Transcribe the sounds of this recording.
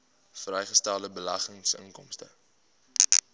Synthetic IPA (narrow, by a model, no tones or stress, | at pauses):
frɛjχəstælˠdəbəlɐχəŋsə̰ŋkɔmstə̰